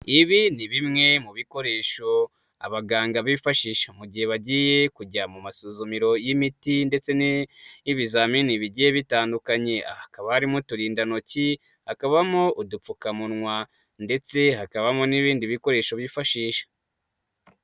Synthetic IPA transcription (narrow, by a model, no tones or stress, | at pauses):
iβiniβimŋe̞muβiko̞ɾe̞ːʃo̞ | a̰βaɡaːŋɡaβifaʃiːʃḁmuɟihe̞βaɟije̞kuɟamumasozomiɾo̞jimitinde̞t͡se̞niβizaminiβiɟijeβitaːndukaɲe̞ʔa̰hakaβaaɾimotuɾiːndano̞ci | hakaβamoʔudup͡fukamunŋwa | nde̞t͡se̞hakaβamoniβiːndiβiko̞ɾe̞ːʃo̞βjifaʃiːʃḁ